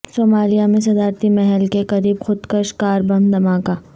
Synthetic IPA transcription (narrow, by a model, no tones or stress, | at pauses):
soːmaːlijamẽs̬ɐd̪aːɾt̪imɛɦɛlkekɐɾiːbxʊd̪kəʃkaːɾbɐ̃nd̪ɐmaːkaː